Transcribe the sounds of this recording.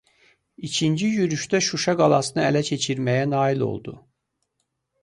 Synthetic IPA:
it͡ʃʰind͡ʒijyɾyʃt̪æʃuʃɑɡɑlˠɑsɯnɯælæt͡ʃʰe̞t͡ʃʰiɾmæjænɑːilo̞̰lˠd̪ṵ

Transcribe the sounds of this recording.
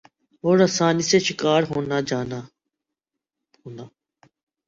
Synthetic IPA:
ɦoːɾəsaːniːseːʃɪkaːɾɦoːnaːd͡ʒaːna | ɦoːnaː

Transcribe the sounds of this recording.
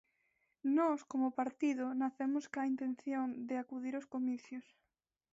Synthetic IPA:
nɔskomopaɾt̪iðʊnaθemʊskaint̪ẽnθjond̪eakuðiɾoskomiθjos

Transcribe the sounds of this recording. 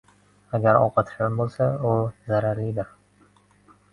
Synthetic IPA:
aɡʲaɾɒ̰qʰɑt̪ʰɪʃɡʲanbolˠsaʊzaɾaɾlɪd̪ɪɾ

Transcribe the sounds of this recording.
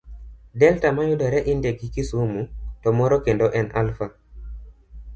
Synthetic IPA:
dɛltamajʊdɔɾɛʔindeɡikisumutɔmɔɾɔkendoʔɛnalfa

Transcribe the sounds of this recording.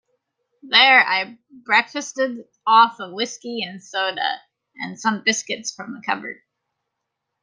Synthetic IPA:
ðə˞a̰ɪ | bɹɛkfɨstɨɾ | ɔfʌvwɪskiɨ̃nsoʊɾə̰ | ʔɨ̰̃nsʌ̃mbɪskɨtsfɹʌ̃mðəkʰʌ̰bə̰˞d̥̚

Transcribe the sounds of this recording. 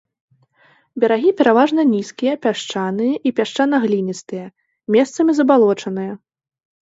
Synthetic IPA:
bʲɐɾaɣʲipʲɛɾavaʐnɐnʲiskʲijɐpʲaʂt͡ʂanɨjɐʔipʲaʂt͡ʂanɐɣlʲinʲist̪ɨjɐ | mʲɛst̪sɐmʲizɐbalˠɔt͡ʂɐnɨjɐ

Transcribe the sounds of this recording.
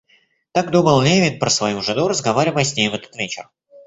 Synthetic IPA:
t̪akd̪obɐlˠnʲevʲɪt̪̚pɾəsvɐjuʐɨd̪uɾəzɡɐvaɾʲɪvpɐsʲnʲejɪvɛt̪ə̥t̪vʲet͡ɕɪ̰r

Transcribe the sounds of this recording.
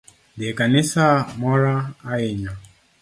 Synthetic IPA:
diɛkanisamɔɾaːiɲa

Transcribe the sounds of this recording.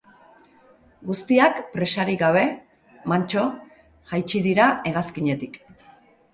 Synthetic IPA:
ɡust̪iakpɾe̞saɾiɣaβ̞e̞ | mant͡ʃo̞ | ʝajt͡ʃiðiɾae̞ɣ̞askiɲe̞t̪ik

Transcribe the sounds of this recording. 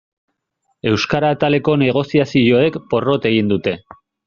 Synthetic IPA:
e̞wskaɾat̪ale̞ko̞ne̞ɣ̞o̞siasio̞e̞kpo̞ro̞t̪e̞ɣ̞ind̪ut̪e̞

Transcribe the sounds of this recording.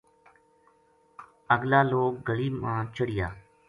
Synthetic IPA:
əɡlaːloːk̚ɡəliːmãːt͡ʃʰəɽɪjaː

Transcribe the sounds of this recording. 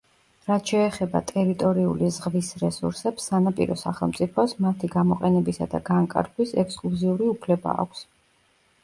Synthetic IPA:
ɾat̪ʰʃɛːχɛbat̪ʼɛɾit̪ʼɔɾiulizʁvisɾɛsṵɾsɛpsːanapʼḭɾɔsaχɛlˠmt̪sʼipʰɔsmat̪ʰiɡamɔqʼɛnɛbisad̪a̰ɡaŋkʼa̰ɾkʰwisɛkskʼlˠuziuɾiupʰlɛba̰ːkʷʰs

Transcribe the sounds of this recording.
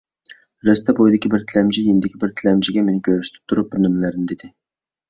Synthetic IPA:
ɾɛst̪ʰɛbojd̪ɪkʲʰibɪɾt̪ʰɪlɛmd͡ʒijinɪd̪ɪkʲʰibɪɾt̪ʰɪlɛmd͡ʒɪɡʲɛmenɪkʲʰøɾyʃt̪ʰɪ̥p̚t̪ʰuɾup̚bɪɾnɨmlæɾnɪd̪ed̪ɪ

